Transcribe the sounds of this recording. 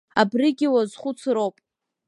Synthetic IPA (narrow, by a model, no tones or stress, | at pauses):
abrɪɡʲɪwazχʷʊt͡sʰɾowpʼ